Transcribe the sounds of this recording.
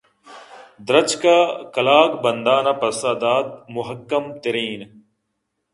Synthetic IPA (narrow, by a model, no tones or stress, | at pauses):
d̪ɾɐt͡ʃkakɐlaːkbɐnd̪aːnɐpɐsad̪aːt̪̚mʊɦɐkːɐmt̪ɐɾiːn